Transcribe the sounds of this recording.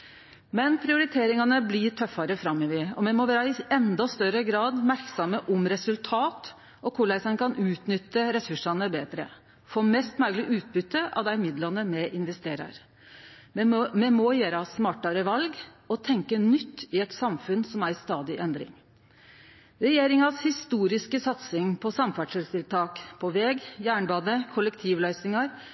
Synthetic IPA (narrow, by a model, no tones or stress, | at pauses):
mɛnpʰɾɪʊɾɪt̪ʰeːɾɪŋɑnəblɪʈʰœfːɑɾəfɾɑmːɪʋɪɔmɛmɔʋæːɾəɪɛnd̪ɑst̪œɾəɡɾɑːd̪mæɾksɑməʔɔmɾɛsʉlt̪ʰɑːt̪ | ɔkʰʊɭɛsɑnkʰɑnʉːt̪nʏt̪ːəɾɛsʉʂɑnəbeːd̪ɾə̰ | foːmɛst̪mœːɡlɪʔʉːt̪̚bʏt̪ːəʔɑ̰ʋd̪æɪmɪd̪lɑnəmɛʔɪnʋɛst̪eːɾɑ̰ɾ | mɛmɔjeːɾɑsmɑːʈɑɾəʋɑlɡ | ɔt̪ʰɛŋkənʏt̪ːɪɛt̪sɑmfʉnsɔmæɾst̪ɑːd̪ɪʔɛnd̪ɾɪ̰ŋ | ɾɛjeːɾɪŋɑshɪst̪uːɾɪskəsɑt̪sɪŋpʰɔsɑmfæʈʂəlst̪ɪlt̪ʰɑːkpʰɔʋɛɡjæːɳbɑːd̪əkʰʊləkt̪ʰiːʋlœʏsnɪŋɑɾ